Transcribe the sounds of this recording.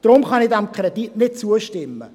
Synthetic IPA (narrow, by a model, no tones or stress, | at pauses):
d̥ɾʊmχɑnɪdæmkʰrɛditnɪt̚t͡suəʃtɪmːə